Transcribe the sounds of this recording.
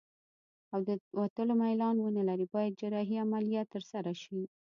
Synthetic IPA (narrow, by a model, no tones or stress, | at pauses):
awd̪əwat̪əlomajlɑnwənəlaɾibɑjad̪̚d͡ʒaɾɑɦiamalijat̪ːəɾsaɾaʃi